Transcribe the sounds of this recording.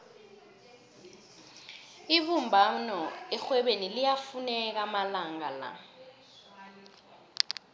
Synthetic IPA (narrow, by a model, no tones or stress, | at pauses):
iɓumbʱanɔɛxwɛɓenilijafunɛk̬amalaŋala̰